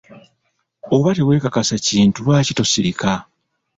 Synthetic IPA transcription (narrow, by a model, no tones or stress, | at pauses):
o̞βate̞we̞ːkakasaciːntulwaːcito̞siɾikʰa